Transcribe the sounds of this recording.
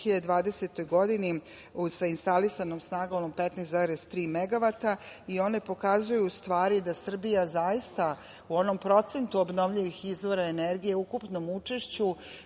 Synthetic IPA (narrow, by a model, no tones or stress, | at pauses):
iʎad̪ed̪ʋaːd̪e̞set̪o̞jɡo̞d̪ini | usainst̪alisanomsnaːɡaonompet̪nesaɾest̪ɾiːmeɡaʋat̪aio̞ne̞po̞kazujuːst̪ʋaːɾid̪asr̩bijazajist̪a | uo̞no̞mpɾo̞t̪se̞nt̪uobno̞ʋʎiʋixizʋo̞ɾae̞neɾɡije̞ukupno̞mut͡ʂe̞ʃt͡ɕu